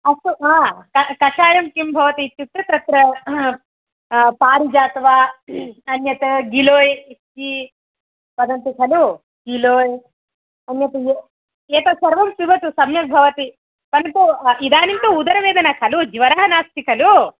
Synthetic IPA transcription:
ɐsuaːkɐkɐʃaːjɐmkimbʱɐʋɐt̪it͡ʃːut̪ːɾɐt̪ɐt̪ɾɐ | paːɾid͡ʒaːt̪ʋaːɐnjɐt̪ɐɡiloːji | i | pɐd̪ɐnt̪ikʰɐlu | ɡiloːj | ɐnjɐt̪ɐje | eːt̪ɐsɐɾʋɐmsiʋɐt̪usɐmjɐk̪̚bʱɐʋɐt̪i | pɐnɐt̪uid̪aːnimt̪uud̪ɐɾɐʋeːd̪ɐnɐkʰɐlud͡ʒiʋɐɾɐɦɐnaːst̪ikʰɐlu

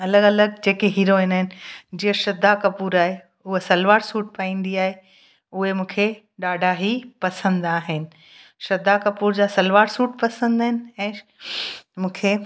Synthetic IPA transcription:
ɐləɡɐləɡd͡ʑeːkeɦiːɾoɦɪnaɦɪnɪ̆d͡ʑiːəʃɐd̪ʱakɐpuːɾaːɦe | ʊɦesɐlʋaːɽsuːʈ̚paːĩːn̆d̪iaːɦe | ʊɦemũːkʰe | ɗaːɖʱaɦipɐsə̃nd̪aːɦɪnɪ̆ | ʃɐd̪akɐpuːɾd͡ʑaːsɐlʋaːɽsuːʈpɐsə̃nd̪aɦɪnɪ̆ɛ̃ː | mũːkʰe

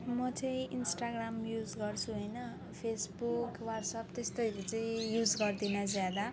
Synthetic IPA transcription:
mʌt͡sʌĩinsʈaɡramjud͡zɡʌrt͡sʰuɦojnʌ | pʰesbukwatsʌpt̪est̪ojlet͡sʌĩjud͡zɡʌrd̪inʌd͡zjad̪a

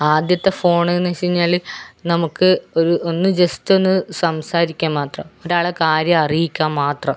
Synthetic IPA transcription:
aːd̪jɐt̪ːe̞fo̞ːɳɨnɐɕiɲːaːɭinɐmukːɨoɾuʔonːɨd͡ʑesto̞nːɨsɐmsaːɾikʲːaːmmaːt̪rɐ̰moɾaːɭɐkaːɾjɐɐrijikʲːaːmmːaːt̪rɐm

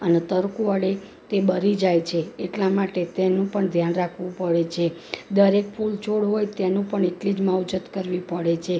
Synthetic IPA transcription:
ənet̪əɾkuəɽe | t̪ebəɾid͡ʒajt͡ʃʰeːʈlamaʈet̪enũpəɳd̪ʱjanɾakʰʋũpəɽet͡ʃʰe | d̪əɾek̚pʰult͡ʃoɽɦojt̪ɛnũpəɳeʈlid͡ʒmawd͡ʒət̪kəɾʋipəɽet͡ʃʰe

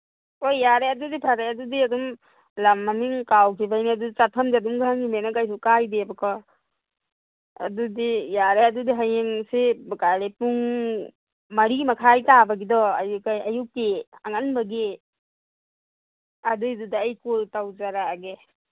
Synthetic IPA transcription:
ojːaɾeɐdudipʰaɾeɐdudiɐdum | lamːɐmiŋkawkʰibajniɐdut͡ʃatʰɐmzaduŋɡaɦaŋimenakajs̬ukajdebukʰɔ | ɐ̰dudijaɾeɐdudiɦajeŋsibakaɾepuŋ | mɐɾimɐkʰajtabɐɡidɔɐ̰jukajɐjukːeaŋɐnbɐɡe | ɐdujdudaːjkultawzaɾaɡe

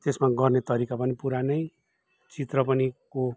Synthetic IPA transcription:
t̪esmaɡʌrnet̪ʌɾikapʌnipuɾanʌj | t͡sit̪rʌpʌniko

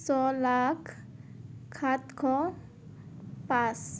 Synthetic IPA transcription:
sɔlakʰː | at̪kʰɔ | pas

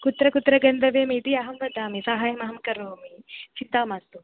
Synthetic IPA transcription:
kut̪ɾɐkut̪ːɾɐɡɐnd̪ʱɐʋeːmiːt̪iɐɦɐmʋɐd̪aːmisaɦaːjɐmɐɦɐmkɐɾoːmisid̪ːaːmaːst̪u

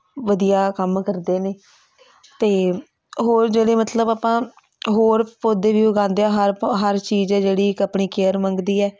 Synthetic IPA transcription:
ʋəd̪ijaːkəmkəɾd̪eːneː | t̪eː | ɦoːɾd͡ʒeːɽeːmət̪ləbaːpãː | ɦoːɾpoːd̪eːʋiːʊɡãːnd̪eaːɦəɾɦəɾt͡ʃiːd͡ʒɛːd͡ʒeːɽiːɪkəpɳiːkeːəɾmə̃ŋɡd̪iːɛː

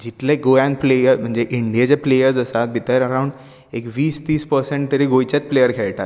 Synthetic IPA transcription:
d͡ʑit̪leɡojãnplejəɾm̤əɳd͡zeʔiɳɖijat͡ɕaplejəɾd͡zəsat̪̚bʱit̪əɾəɾaw̃ɳɖ | ekʋiːst̪iːspəɾsẽɳʈ̚t̪əɾiɡojt͡ɕat͡splejəɾkʰeɭʈa̰t̪

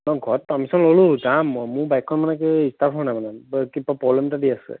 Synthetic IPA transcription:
nɔɡʱɔt̚pɔmisɔnloluzammũbajkʰːɔnmanɛkɛistapʰɦɔɔnajmanakipapɹɔblɛmtadiasɛ̰

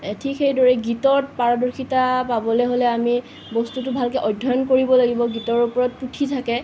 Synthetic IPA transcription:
tʰikxejdɔɹɛɡitɔɹt̚paɹɔdɔɹxitapabɔlɛɦolɛami | bɔstutʊbʱalkɛʔɔjdʱːɔjɔnkoɹibɔlaɡibɔɡitɔɹupɔɹɔt̚putʰitʰakɛ

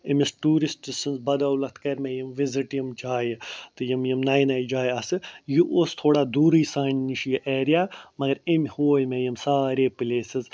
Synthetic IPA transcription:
imisʈuːɾisʈisɨnzbɐd̪aːwlɐt̪ʰkɐɾʲmejimʋɪziʈjɐmd͡ʒaːjt̪ɨjimjimnajnajd͡ʒaːjɐsɨjuʔoːst̪ʰoːɽaːd̪uːɾɨjsaːɳniʃjiʔeːɾijaːmɐɡɐɾimʲhoːjmejɐmsaːɾeːplʲeːsɪz

